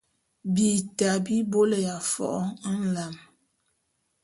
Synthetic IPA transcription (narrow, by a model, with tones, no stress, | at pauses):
bi˨ta˨bi˦bo˦lə˨ja˨fɔ̰˨ʔɔ˦n̩˦˨la˨m